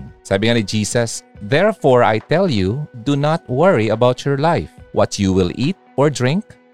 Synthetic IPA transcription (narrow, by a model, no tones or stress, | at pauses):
saːbɪŋanid͡ʒiːsɐsðɛɹfɔɹa̰jt̪ɛljud̪unat̪̚wəɹiɐbawt͡ʃjɔɹlajfwʔʌtjuwɪlʔiːt̪̚ʔɔɹd̪ɹɪ̃ŋk̚